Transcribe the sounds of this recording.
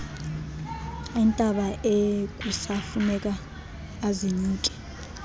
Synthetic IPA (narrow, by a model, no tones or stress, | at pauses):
ɛntʼaɓaʔekʼusafunɛkʼaː | ziɲuːtʼi̥